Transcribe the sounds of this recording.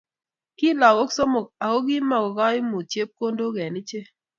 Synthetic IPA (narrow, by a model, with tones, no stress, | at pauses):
ki˦la˨ɡo˦kso˦mo˨k̚a˨ko˦ɡɪ˦ma˨ɡɔ˨ɡɔ˦ɪ˦mo˨t͡ʃe˦p̚ko˦ndo˦ɡɛ˨nɪ˦t͡ʃe˦